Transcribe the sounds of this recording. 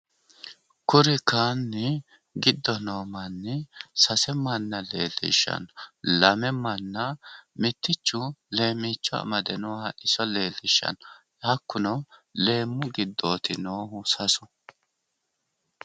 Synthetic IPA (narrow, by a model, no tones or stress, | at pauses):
kʊɾɪkaːnːɪ | ɡɪd̪ːɔnoːmɐnːɪsɐsɛmɐnːɐle̞̰ːlːɪ̰ʃːɐ̰nlɐmɛmɐnːɐmɪt̪ːɪt͡ʃːʊle̞ːmːit͡ʃːɔɐ̰mɐd̪ɛnʊwaʔɪsɔle̞ːlːɪʃːɐ̰n | jɐkːʊnɔle̞ːmːʊɡɪd̪ːo̞ːt̪ɪnoːhʊsɐsʊ̥